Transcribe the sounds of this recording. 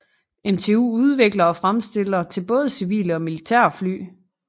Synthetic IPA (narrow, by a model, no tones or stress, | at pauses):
emt͡sʰe̝ːṵːuð̞ˠʋe̝ɡ̥lɐɒ̽fʁamsd̥e̝l̰ɐt͡sʰe̝lb̥ɔ̽ːð̞ˠəsiʋḭːləɒ̽milit͡sʰæ̰ɐfly̰ː